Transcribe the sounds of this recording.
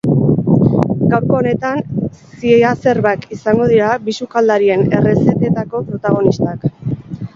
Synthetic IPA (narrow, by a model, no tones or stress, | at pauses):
ɡawɾko̞ːne̞t̪ansiease̞ɾβakisaŋɡo̞ð̞iɾabisukald̪aɾie̞ne̞re̞se̞t̪et̪ako̞pɾo̞t̪aɣ̞o̞nist̪ak